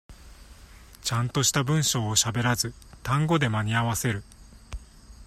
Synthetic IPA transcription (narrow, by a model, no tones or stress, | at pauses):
t͡ɕãnt̪o̞ɕi̥t̪abɯ̟̃ɰ̃ɕo̞ːɕabe̞ɾazɨ | t̪ãŋɡo̞d̪e̞maɲ̟iaβase̞ɾɯ̟